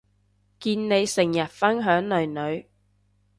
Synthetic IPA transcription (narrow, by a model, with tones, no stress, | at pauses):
kiː˧nne˨˧jsɪ˨˩ŋjɐ˨˩t̚fɐ˥nɦœː˨˥ŋnɵ˨˩ɥnɵ˨˧ɥ